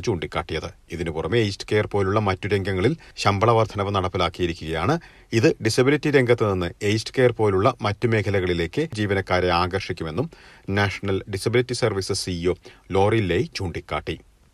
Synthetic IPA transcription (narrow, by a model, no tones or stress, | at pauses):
t͡ɕuːɳɖikʲːaːʈːijɐðɨiðinɨpurɐmeejstɨ̥keːɐrpo̞ːluɭːɐmɐtːuɾe̞ŋɡɐŋːɐɭilɕɐmbɐɭɐʋɐrd̪ʱʰɐnɐʋɨnɐɽɐpːilaːkːijiɾikʲːuɣɐjaːɳɨ | iðɨɖisɐbilitːiɾe̞ŋɡʱɐt̪ːɨninːɨejstɨ̥keːrpo̞ːluɭːɐmɐtːume̞ːkʰɐlɐɣɐɭile̞ːkːɨd͡ʑiːʋɐnɐkːaːɾeaːɡɐrʂikʲːume̞nːumnaːʂɐɳɐlɖisɐbilitːisɐrʋisɨsioːlo̞ːrilːeːjt͡ɕuːɳɖikʲːa̰ːʈːi